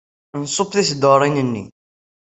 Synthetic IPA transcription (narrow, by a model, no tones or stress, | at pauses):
nsˤopθisd̪əɾˤinənːḭ